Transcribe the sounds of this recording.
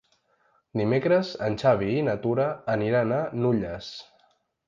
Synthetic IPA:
d̪imekɾəzənʲt͡ʃaβ̞iːnat̪uɾəːniɾananuʎəs

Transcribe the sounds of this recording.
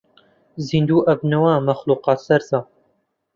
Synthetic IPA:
zind̪uːʔɐbnɐwaːmɐxluːqɑːt̪sɐɾza

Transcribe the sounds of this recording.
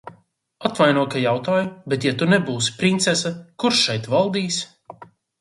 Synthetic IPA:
at̪vajnuɔkajawt̪aːjubet̪jat̪unɛbuːsi̥pɾint̪sɛsakuɾʃʃɛjt̪valˠd̪iːs

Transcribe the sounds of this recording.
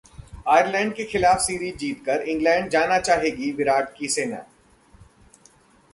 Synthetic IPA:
aːjəɾlɛ̃ːɳɖ̚kexɪlaːfsiːɾiːd͡ʒiːt̪kəɾɪ̃ŋɡlɛ̃ːɳɖ̚d͡ʒaːnat͡ʃaːɦeːɡiʋɪɾaːʈkiseːna̰ː

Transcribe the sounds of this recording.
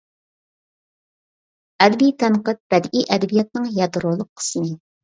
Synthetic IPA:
ɛd̪bijt̪ʰɛnqət̪̚b̥ɛd̪ʔijʔɛd̪ɛbijɛt̪̚nɨŋjɛd̪ɾolˠəqʰːə̥smɨ

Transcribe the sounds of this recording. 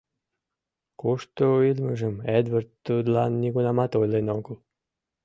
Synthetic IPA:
kuʃt̪oilməʒəmed̪vərt̪ːud̪lɑnːiɣunɑmɑt̪ojlenoɡəl

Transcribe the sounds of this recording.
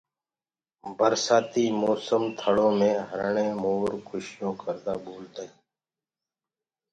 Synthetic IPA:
bəɾsaːt̪iːmoːsəmt̪ʰəɽõːmẽːɦəɾɳẽːmoːɾkʰʊʃjõːkʰəɾd̪aːboːlt̪aːiː

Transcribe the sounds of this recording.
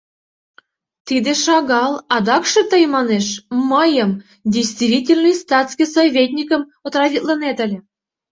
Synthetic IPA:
t̪id̪eʃɑɣɑlˠɑd̪ɑkʃɤ̆t̪əjmɑneʃməjəm | dʲejst̪vʲitʲelʲnɨjst̪ɑt̪skʲijsovʲet̪ʲnʲikə̆mot̪rɑvʲit̪lənet̪əlʲĕ

